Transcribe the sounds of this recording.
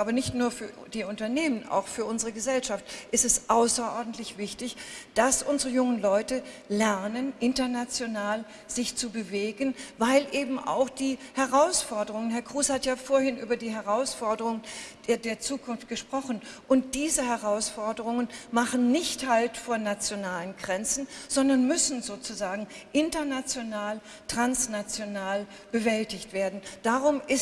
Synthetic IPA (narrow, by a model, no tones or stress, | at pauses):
ʔaːbɐnɪçtnuːɐfyːɐd̥iːʊntɐneːməna̰ʊxfyːɐʔʊnzəʁəɡəzɛlʃaftʔɪstɛsʔaʊsɐʔɔɐdn̩tlɪçv̥ɪçtɪçd̥asʔʊnzəʁəjʊŋənlɔʏtəlɛɐnənʔɪntɐnat͡sjonaːl | z̥ɪçt͡subəveːɡənvaɪlʔeːbm̩ʔa̰ʊxd̥iːhɛʁaʊsfɔɐdəʁʊŋənɦɛɐkʁ̥uːshatjaːfoːɐhɪnʔy̰ːbɐdiːɦɛʁaʊsfɔɐdəʁʊŋ̥ː | deːɐt͡suːkʰʊnft̚ɡ̥əʃpʁ̥ɔχn̩ʔʊnt̚d̥iːzəhɛʁaʊsfɔɐdəʁʊŋənmaχn̩nɪçthaltfɔɐnat͡sjonaːlənɡʁɛnt͡sn̩z̥ɔndɐnmʏsn̩zoːt͡suzaːɡŋ̩ʔɪntɐnat͡sjonaːl | tʁ̥ansnat͡sjonaːl | b̥əvɛltɪçtv̥eːɐdn̩d̥aːʁʊmʔɪs